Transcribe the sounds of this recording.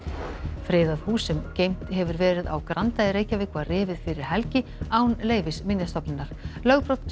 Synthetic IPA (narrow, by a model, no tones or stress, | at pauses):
fɾɪːðaðhuːsɛmceːjm̥t̪ɦɛvʏɾvɛːɾɪða̰wkɾant̪ajɪɾeːjcavɪːkvarɪːvɪðfɪɾɪɾ̥hɛlcɪaːwnleːjvɪsmɪnjast̪ɔpnɪnːaɾ̥lœɣpɾowt̪n